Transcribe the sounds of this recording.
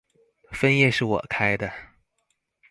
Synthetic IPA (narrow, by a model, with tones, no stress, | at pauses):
fə˥njɛ˥˧ʂɻ̩˥˩wɔ̰˨˩kʰa˥ɪd̪ə˨